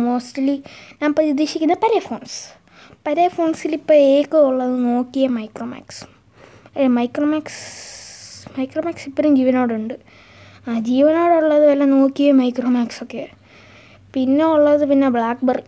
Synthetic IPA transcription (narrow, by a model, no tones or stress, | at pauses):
moːstlinaːmprɐid̪iːɕikʲːunːɐpɐɾefo̞ːns | pɐɾefo̞ːnsilipːoːɭeːkːɨuɭːɐðɨno̞ːkːijɐmɐjkroːma̰ːks | mɐjkroːmaːks | mɐjkroːmaːksipːɐɾumd͡ʑiːʋɐno̞ːɽuɳɖɨ | ad͡ʑiːʋɐno̞ːɽuɭːɐðɨʋɐlːɐno̞ːkːijɐmɐjkroːmaːksokːe | pinːeuɭːɐðɨpinːebɭaːk̚bɐr